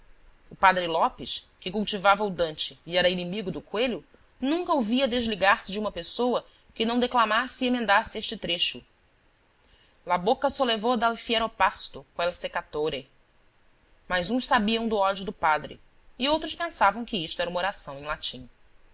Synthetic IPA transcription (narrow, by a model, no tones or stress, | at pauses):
ʊpad̪ɾɪlɔpɪʃkɪkuwt͡ʃivavɐʊd̪ɐ̃nt͡ʃɪːɛɾɐinimiɡʊd̪ʊkweʎʊ | nũŋkɐowviɐd̪eʒliɡaɾsɪd͡ʒɪũmɐpesowɐ | kɪnɐ̃w̃d̪eklamasɪemẽnd̪asɪeʃt͡ʃɪt̪ɾeʃʊ | labokɐsolevowd̪alfieɾopast̪ʊkõɛlsekat̪oɾe | majzũʃsabiɐ̃w̃d̪ʊɔd͡ʒʊd̪ʊpad̪ɾɪ̰ | iowt̪ɾʊʃpẽsavɐ̃w̃kɪiʃt̪ʊɛɾɐũmoɾasɐ̃w̃ẽj̃lat͡ʃĩ